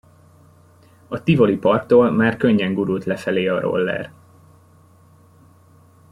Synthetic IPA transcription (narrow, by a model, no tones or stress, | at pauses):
ɒt̪ivo̞lipɒrkt̪oːlmaːrkø̞ɲːɛŋɡuɾult̪lɛfɛleːɒɾo̞̰lːɛ̰r